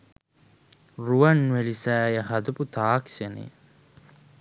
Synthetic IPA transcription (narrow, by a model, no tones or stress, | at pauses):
ruʋɐnʋelisæːjəɦɐd̪uput̪aːksenḛ